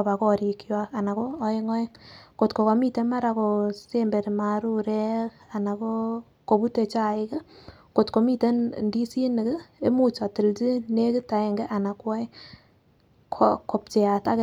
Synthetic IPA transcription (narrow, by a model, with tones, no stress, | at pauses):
ba˨kɔ˦ɾi˨kjwa˦ka˨na˨koː˦e˦ŋɔ˦e˦ŋko˨tko˨ko˨mi˦te˨˦ma˦ɾa˨ko˨se˦mbe˨ɾma˨ɾu˦ɾɛ˦ka˨na˨ko˦ | ko˨bu˦te˨t͡ʃa˦ɪ˦kɛ˦ | ko˨tko˨mi˦te˦ndi˦si˦nɪ˨kɪ˦e˦mu˦t͡ʃa˨tɪ˨lti˦ne˦kɪ˦ta˨e˨ŋɡe˦ʔa˨na˨kwa˦ɪ˦ | kʰoko˨p̚t͡ʃe˨a˨ta˦k